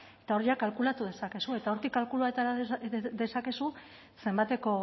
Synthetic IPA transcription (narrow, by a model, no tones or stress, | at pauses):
et̪ao̞ɾiakalkulat̪uð̞e̞sake̞sue̞t̪ao̞ɾt̪ikːalkuluaet̪aɾad̪e̞sake̞su | se̞mbat̪e̞ko̞